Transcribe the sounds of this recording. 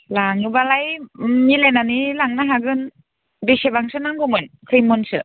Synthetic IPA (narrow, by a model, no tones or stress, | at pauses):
laŋɯbalajɲilenanilaŋnaɦaɡɯn | disebaŋsɯnaŋkomɯnkʰɯjmonsɯ